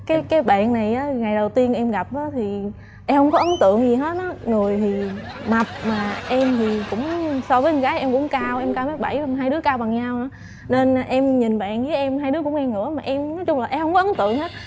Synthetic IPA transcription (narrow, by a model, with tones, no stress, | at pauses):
kaː˨˦jkaː˨˦jɓa̰ː˧˨nna˨˩jʔaː˨˦ŋa˨˩jɗə˨˩wt̪i˧ənʔɛ˧mɣa˨˩p̚ʔəː˨˦t̪ʰi˨˩ | ʔɛ˧mhə˧wŋ͡mkɔ˨˦ʔə˨˦nt̪ɨ̰˧˨əŋzi˨˩ɦə˨˦˥t̚nɔ˨˦ŋɨ˨˩əjt̪ʰi˨˩ma˨˩p̚maː˨˩ʔɛ˧mt̪ʰi˨˩kʊ̰˧˥ŋ͡msɔ˧vəː˨˦ɲ˨˧˩kaː˨˦jʔɛ˧mkʊ̰˧˥ŋ͡mkaː˧wʔɛ˧mkaː˧wma˦˥t̚ɓa̰˧˩ja˧ɦaː˧jɗɨ˨˦əkaː˧wɓa˨˩ŋɲa˧wʔa˨˦ | ne˧n˨˩ʔɛ˧mɲi˨˩nɓa̰ː˧˨nvəː˨˦jʔɛ˧mɦaː˧jɗɨ˨˦əkʊ̰˧˥ŋ͡mŋɛ˧ŋɨ̰˧˥əmaː˨˩ʔɛ˧mnɔ˨˦jt͡ɕʊ˧ŋ͡mla˨˩ʔɛ˧mhə˧wŋ͡mkɔ˨˦ʔə˨˦nt̪ɨ̰˧˨əŋhə˨˦˥t̚